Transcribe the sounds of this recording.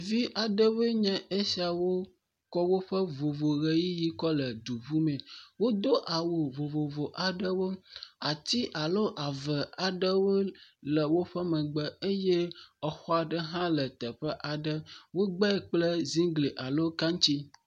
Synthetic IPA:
vi˦ʔa˨ɖə˦we˦ɲɛ̃˦ʔe˦si˦a˨wo˦ | kɔ˦wo˦ɸə˦vo˨vo˨ɣe˦ji˦ji˦kɔ˦lə˨d̪u˨βu˦mɛ̃˨wo˦d̪o˦ʔa˨wo˨vo˨vo˨vo˨ʔa˨ɖə˦wo˦a˨t̪i˦ʔa˨lo˦ʔa˨və˨a˨ɖə˦wo˦lə˨wo˦ɸə˦mə̃˨ɡ͡bə˦e˦je˦ə˨xɔ˦a˨ɖə˦ɦã˦lə˨t̪ə˨ɸə˦ʔa˨ɖə˦wo˦ɡ͡bɛ˦˨k͡plə˦zĩ˦ɡle˨ʔa˨lo˦kã˦ŋ˦t͡ɕi˦

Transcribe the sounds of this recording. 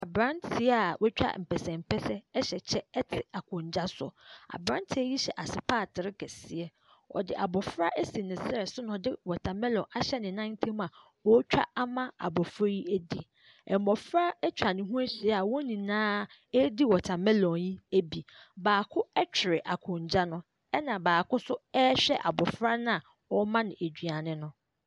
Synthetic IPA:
a˨bɾã˦ntʰɪ˨˦a˨wʔɛ˦t͡ɕᶣa̰˦m̩˨pʰɛ˨sɛ̃˨m̩˨pʰɛ˦sɛ˦ɛ˦ɕɛ˨t͡ɕʰɛ˦ɛ˦tʰɪ˨a˨kʰʊ̃˨ɲ˨d͡ʑa˦sɔ̰˨a̰˨bɾã˦ntʰɪ˦ɛ˦ji˦ɕɛ˨ʔa˨sɪ˨pʰaː˦˨tʰɪ˨ɾɪ˦kʰɛ˨sɪ˨ɛ˦ | ɔ̰˨dɪ˨ʔa˨bɔ˨fɾa˦ʔe˦si˨nɪ̃˨sɛ˨sʊ˦nʊ̃˨dɪ˦wɔ˨tʰã˨mɛ̃˦lɔ̃˨ʔa˨ɕɛ˦nɪ̃˨nã˦n˦tʰĩ˦m˦ã˨ | wɔ˦t͡ɕᶣa̰˦a˦mã˦a̰˨bɔ˨fɾa˦ji˦æ˦di˦ | ɛ˨m˨mɔ˨fɾa˦ɛ˦t͡ɕʰᶣa˨nɪ̃˨ɦũ˦æ˦ɕi˨ɛ˦a˨wɔ˦nĩ˨nãː˦ | ɛ˦di˦wɔ˨tʰa˨mɛ̃˦lɔ̃˨ji˦æ˦bi˨baː˨kʰʊ˦ɛ˦t͡ɕʰᶣɪ˨ɾɪ˨ʔa˨kʰʊ̃˨ɲ˨d͡ʑa˦nʊ̃˦ | ɛ˦nã˨baː˨kʊ˦sʊ˦ɛ˦ɕᶣɛ̰˦ʔa˨bɔ˨fɾa˦nã˦a˨ | wɔ˦mã˦nɪ̃˨e˨d͡ʑᶣɥa˨nɪ̃˦nʊ̃˦

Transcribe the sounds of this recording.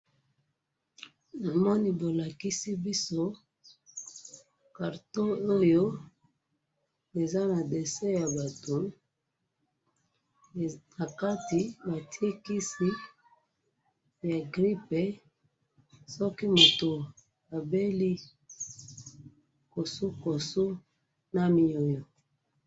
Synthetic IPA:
na˨mɔ˦ni˦bo˨la˨ki˦si˦bi˦so˦ | ka˨ʁto˦o˦jo˦ | e˨za˦na˨de˨sɛ˦ja˨ba˨to˨ | na˨ka˦ti˨ba˨ti˦e˦ki˦si˦ | ja˨ɡʁi˦pe˨ | sɔ˦ki˦mo˨to˨ | a˨be˦li˦ | ko˨su˦ko˨su˦ | na˦mi˦o˦jo˨

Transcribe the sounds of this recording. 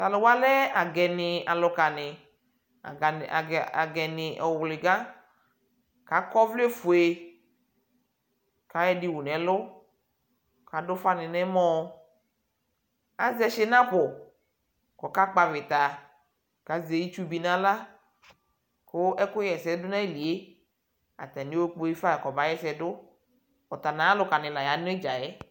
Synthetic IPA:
t̪a˨lʊ˨wa˦lɛ˦a˨ɡɛ˨nɪ˨a˨lʊ˨ka˨nɪ̰˨ | a̰˨ɡɛ˨nɪ˨ʔɔ˨wlɪ˨ɡa˦ | ka˨˦kɔ˦vle˦fʊ˨e˨ | ka˨˦ɛ˦dɪ˨wʊ˨nɛ̃˨˦lʊ˦ | ka˨dʊ˦fa˦nɪ˨nɛ˦mɔ̃˦ | a˦zɛ˦ʃɪ˦nã˦ɸʊ˨ | kɔ˨ka˦k͡pa˨vɪ˨t̪a˨ | ka˨ze˨ji˦t͡ʃu˦bi˨nã˦la˦ | kʊ˦ɛ˦kʊ˦jɛ˨sɛ˨˦dʊ˦nã˦e˦li˨e˦ | a̰˨t̪a˨nĩ˦o˦k͡po˦ji˦fa˦˨kɔ˨ba˨˦jɛ˦sɛ˨dʊ˦ | ɔ˨t̪a˨nã˨˦lʊ˦ka˨nɪ̃˨la˨ja˨˦nʊ̃˦e˦d͡ʒa˨ɛ˦

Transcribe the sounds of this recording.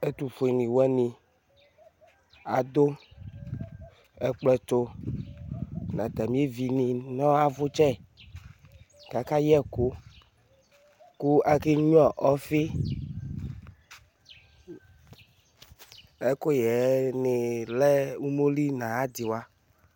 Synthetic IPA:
e˦t̪u˨fo˨i˨nĩ˨wɛ˦nĩ˨ | a˨d̪o˦ | ɛ˨k͡plɛ˨to˦ | nã˨d̪a˨mĩ˦e˦vi˨nĩ˨nɔ̃˦a˦vo˦t͡ʃɛ˦ | ka˨ka˦jɛ˦ku˦ | ku˦a˦ke˦ɲ˦ɔ˦˨ʔɔ˦fi˦ | ɛ˦ko˦jɛ˨ne˨lɛ˦u˦mo˦li˦nã˨a˦d̪i˨wa˦

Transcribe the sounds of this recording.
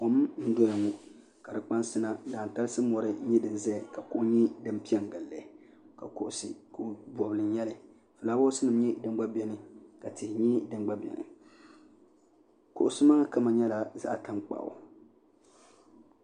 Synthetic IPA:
o˨m˦n̩˦dɔ˦ja˨ŋu˦ | ka˨dɨ˨k͡pa˦nsɨ˦na˨daː˨n̩˨ta˦lɨ˦sɨ˦mɔ˨ɾɨ˦ɲɛ˦dɨ˨n˦zɛ˦˨ka˨ko˦ʔɲi˦dɨ˦m˦pi˦ɛ˦ŋ˨ɡa˨lːɛ˨ | ka̰˨kʊ˨ʔʊ˨sḭ˨ko˦bɔ˨bɨ˨lɨ˨n˦jɛ˦lɨ˨ | fɨ˨laː˦bo˦sɨ˦nɨ˨m˦ɲɛ˦dɨ˦m˦ɡ͡ba˦bɛ˦nɨ˨ka˨tɪ˨hɪ˨ɲi˦dɨ˦mɡ͡ba˦bɛ̰˨nɨ̰˨ | kʊ̰˨ʔʊ˨sɨ˦ma˦ŋa˦ka˦ma˨ɲɛ˦la˨za̰˦ʔta˦ŋ͡mk͡pa̰˨ʔʊ̰˨

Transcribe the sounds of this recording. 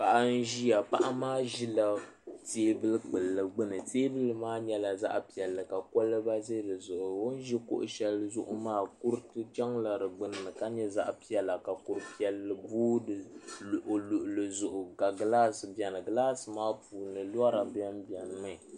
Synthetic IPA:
pa˨ʔa˨n̩˦ʒi˦ja˨pa˦ʔa˦maː˦ʒi˦la˦ | teː˦bɨ˦lɨ˦k͡pɨ˨lːɨ˨ɡ͡bɨ˦nɨ˨teː˦bɨ˦lɨ˦maː˦ɲɛ˦la˨za̰˦ʔpi˨ɛ˨lːɨ˨ka˨kɔ˦lːɨ˦ba˦ze˦dɨ˨zʊ˨ʔʊ˨wo˦n̩˦ʒi˦ko̰˦ʔʊ̰˨ʃɛ˦lzʊ˦ʔʊ˦maː˦ku˦ɾtɨ˦t͡ʃɛ˦ŋla˨ɾɨ˨ɡ͡bɨ˦nɨ˨nɨ˨ka˦ɲɛ˦za˦ʔpi˦ɛ˨lːa˨ka˨ku˨ɾɨ˦pi˦ɛ˨˦lːɨ˨buː˦dɨ˨ʔo˨lʊ˨ʔʊ˨lɨ˨zʊ˨ʔʊ˨ka˨ɡla˦sɨ˨bɛ˨nɨ˨ɡla˦sɨ˨maː˦puː˨nɨ˨la˦ɾa˨bɛ˦mbi˨ɛ˨n˨˦ma˦˨

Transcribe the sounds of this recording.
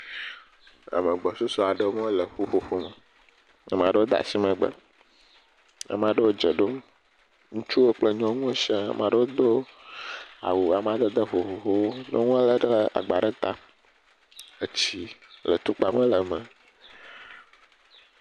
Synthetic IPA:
a̰˨mə̃˨ɡ͡bɔ˨su˦sɔ˨a˨ɖə˦ŋɔ̃˦lə˨ɸo˦ɸo˨ɸo˦mə˨ | a̰˨m˨ã˨ɖə˦wo˦d̪a̰˨si˦mə̃˨ɡ͡bə̰˦ | a̰˨mẽ˨a˨ɖə˦wo˦d͡ʒɛ˨ɖo˦ | ŋũ˦t͡ʃu˦wo˦k͡plə˦ɲɔ̃˦ŋũ˦ʃa˦a̰˨m˨a˨ɖə˦wo˦d̪o˦ | a̰˨wu˨a˨mẽ˨a˨d̪ə˦d̪ə˦ɸo˨ɸo˨ɸo˦wo˦no̰˦ŋõ˦a˦lə˦ɖə˦a̰˨ɡ͡ba˨ɖə˦t̪a˦ | ə˨t͡ɕi˦lə˨t̪u˦k͡pa˨mə̃˦lə˨mə˨

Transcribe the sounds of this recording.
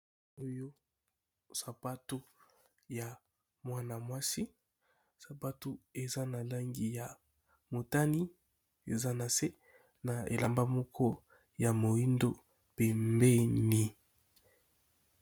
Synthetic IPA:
o˦jo˦ | sa˨pa˦tu˦ | ja˨ | mwa˦na˨mwa˦si˦ | sa˨pa˦tu˦e˨za˦na˨la˦ŋɡi˦ja˨ | mo˨ta˦ni˦ | e˨za˦na˨se˦ | na˨ḛ˨la˨mba˦mɔ˦kʰɔ˦ | ja˨mo˨i˦ndo˦ | pe˨mbe˦ni˨

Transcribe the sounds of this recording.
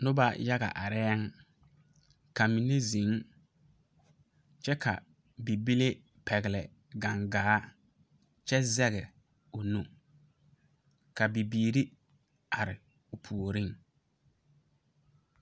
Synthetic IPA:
nʊ˦ba˦ja˦ɣa̰˨ʔa˨ɾɛ˦ɛ˦ŋ | ka˨mi˨ne˦zĩ˨˦ŋ | t͡ʃɛ˦kʰa̰˨ | bi˨bi˦le˦ | pʰɛ˨ɣɪ˨lɛ˨ | ɡa˨ŋɡaː˨˦ | t͡ʃɛ˦zɛ˦ɣɪ˨ | ʊ˨nu˨ | ka˨bi˨biː˨ɾi˦ | a˨ɾɪ˨ | ʊ˨pʰu˨o˨ɾi˦ŋ

